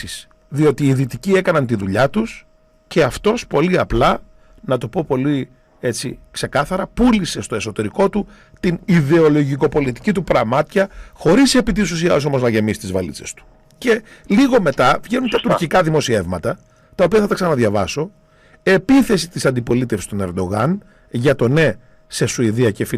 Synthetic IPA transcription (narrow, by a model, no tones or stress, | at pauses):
is | ðio̞t̪iːðit̪iciekɐnɐnt̪iðuʎɐt̪us | ce̞ɐft̪o̞spo̞liɐplɐ | nɐt̪o̞po̞po̞li | e̞t͡sikse̞kɐθɐɾɐpulise̞st̪o̞e̞so̞t̪e̞ɾiko̞t̪u | t̪iniðe̞o̞lo̞ʝiko̞po̞lit̪i̥cit̪upɾɐmɐt̪çɐxo̞ɾise̞pit̪̬isus̬iɐs̬o̞mo̞znɐʝe̞misi̥t̪izvɐlḭt͡se̞st̪u̥ | ce̞ | liɣo̞me̞t̪ɐvʝe̞nunt̪ɐt̪uɾcikɐðimo̞sievmɐt̪ɐ | t̪ɐo̞piɐθɐt̪ɐksɐnɐðʝɐvɐ̰so̞ | e̞piθe̞sit̪isɐnd̪ipo̞lit̪e̞fsi̥st̪o̞ne̞ɾd̪o̞ɣɐn | ʝɐt̪o̞ne̞ | se̞suiðiɐce̞fi